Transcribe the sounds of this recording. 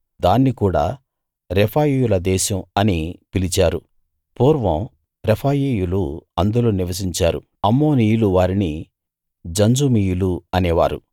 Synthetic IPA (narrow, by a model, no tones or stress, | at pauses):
d̪aːnːikuːɽa̰ː | ɾepʰaːjiːjulɐd̪ɛːʃɐmɐnipilit͡ʃaːɾu | puːɾʋɐ̃m | ɾepʰaːjiːjuluɐnd̪uloːniʋɐs̬iɲt͡ʃaːɾṵ | ɐmːo̞ːnijuluʋaːɾini | d͡ʒɐɲd͡ʒumijuluɐneːʋa̰ːɾṵ